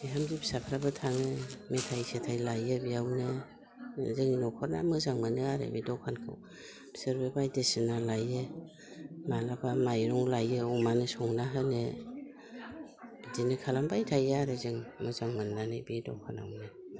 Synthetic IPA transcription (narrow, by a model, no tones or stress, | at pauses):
biɦamdibi̥sapʰɾabɯtʰaŋɯmetʰajsetʰajlajɯbiawne | zɯŋinɔkʰɔɾna̰mɯzaŋmɯnɯaɾḛbidɔkʰankʰɯ̰w | bseɾbebajdesɯnalajɯ | malapʰamajɾɔŋlajɯɔmanɯsɔŋnaɦɯne | dinɯkʰalambajtʰajaɾɯzɯŋmɯzaŋmɯnːanɯbidɔ̰kʰana̰wnɯ